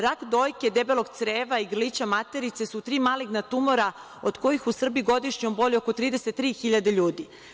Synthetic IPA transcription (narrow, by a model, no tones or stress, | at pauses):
ɾakd̪o̞ːjke̞d̪ebe̞loɡ̚t̪sɾeːʋaiɡrlit͡ɕamat̪e̞ɾit̪se̞sut̪ɾiːmaːliɡnat̪umo̞ɾa | od̪ko̞jixusr̩biɡo̞d̪iʃɲombo̞ʎʲiokot̪ɾiːd̪eset̪ːɾiːxiʎad̪eʎuːd̪i